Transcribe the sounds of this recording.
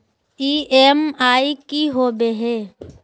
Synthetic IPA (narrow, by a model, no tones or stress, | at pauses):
iemaikiɦobeɦeː